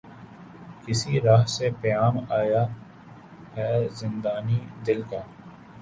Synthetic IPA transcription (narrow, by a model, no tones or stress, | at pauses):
kɪsiɾaːɦsepɐjaːmaːja | ɦɛːzɪ̃nd̪aːnid̪ɪlkaː